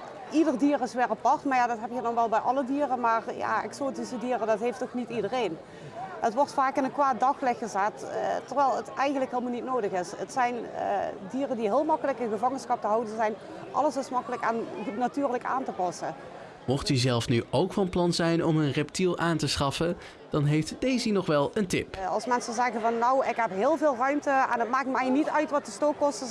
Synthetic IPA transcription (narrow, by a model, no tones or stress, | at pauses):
ʔidərdiːrɪsʋɪːɹɑpɑrtmaːɹjaːdɑtɦɛpjədɔnʋɛlˠbɛjʔɑlədiːrəmaːrja̰ːɛ̰ksoːtisədiːrədɑtɦejftɔxnitidərejn | ətʋɔrtfaːkɪnənkʋaːt̚dɑxlɪxəzattːərʋɛjlˠətɛjxəntləkɦɪːlˠmalˠnitnoːdəxɪsətsɛjn̰diːrəndiɦɪːlˠmɑkələkənɣəvɑŋənsxɑp̚təɦɑwdənzɛjn | ʔɑ̰ləsɪsmɑkələkaːnnatyːrləka̰ːntəpɑsə | mɔχtyzɛlˠfnyowkfɑnplɑnzɛjnɔmənrɛp̚tilˠʔaːntəsχɑfə | d̥ɑnɦejftd̥ejzinɔχʋɛlˠəntɪ̰pɑ̰lˠsmɛnsənzɛɣənvɑnːowɪkɦɛpɦɪːlˠvɪːlˠrœɥmtəɛ̰nɦətmaːk̚tmɛjnitœɥtʋɑt̚dəstoːkːɔstə